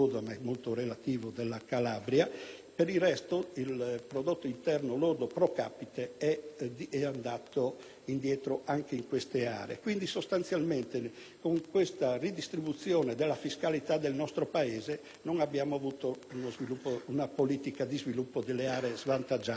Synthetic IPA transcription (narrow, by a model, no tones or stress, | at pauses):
od̪amɛmolt̪oɾelat̪iːvod̪elːakalabɾja | peɾilrɛst̪oilpɾod̪ot̪ːoint̪ɛrnoloɾd̪opɾoka̰pit̪eɛɛand̪at̪o | ind̪jɛːt̪ɾoʔaŋkeiŋkwest̪ea̰ːɾḛkwind̪isost̪ant̪sjalment̪e | koŋkwest̪arid̪ist̪ɾibut̪sːjɔːned̪elːafiskalit̪ad̪elnɔst̪ɾopaeːze | noŋabːjaːmoavut̪ounozvilupːounapoliːt̪ikad̪izvilupːod̪elːeaːɾezvant̪ad͡ʒa